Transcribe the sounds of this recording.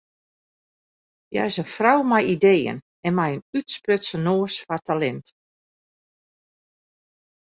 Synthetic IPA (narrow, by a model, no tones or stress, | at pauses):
ja̰sənfrawmajideːə̰n | ɛnmɛjənytsprøtsənoːsfartʰalɛnt